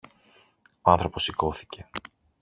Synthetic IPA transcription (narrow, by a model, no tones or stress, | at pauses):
oɐnθɾo̞po̞siko̞θi̥ce̞